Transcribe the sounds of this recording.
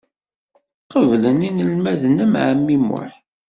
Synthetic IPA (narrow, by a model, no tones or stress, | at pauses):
qəvləninəlmæðnəmʕəmːimʊ̰ħ